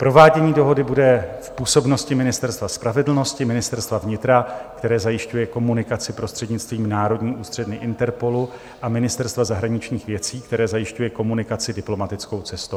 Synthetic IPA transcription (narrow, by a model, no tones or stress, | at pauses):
pɾo̞vaːɟɛɲiːdo̞ɦo̞dɪbudɛfpuːso̞bno̞scɪmɪnɪst̪ɛɾst̪vaspɾavɛdl̩no̞scɪmɪnɪst̪ɛɾst̪vavɲɪt̪ɾakt̪ɛɾɛːzajɪʃcujɛko̞munɪkat͡sɪpɾo̞st̪r̝̥ɛdɲɪt͡st̪viːmnaːɾo̞dɲiːʔuːst̪r̥ɛdnɪʔɪnt̪ɛɾpo̞lu | ʔamɪnɪst̪ɛɾst̪vazaɦɾaɲɪt͡ʃɲiːxvjɛt͡siːkt̪ɛɾɛːzajɪʃcujɛko̞munɪkat͡sɪdɪplo̞mat̪ɪt͡sko̞wt͡sɛst̪o